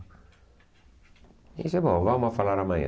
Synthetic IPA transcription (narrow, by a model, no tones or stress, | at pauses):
ḭsebõvamoafalaɾamaɲa̰